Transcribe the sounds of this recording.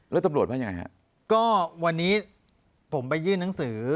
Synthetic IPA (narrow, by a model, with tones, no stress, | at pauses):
lɛː˦˥wt̪a˧mɾlt̚ba˥˩ja˧ŋa˧jha̰˦˥ | kɔː˥˩wa˧nːiː˦˥ | pʰo˩˦mpa˧jːɯː˥˩nːa˩˦ŋsɯː˩˦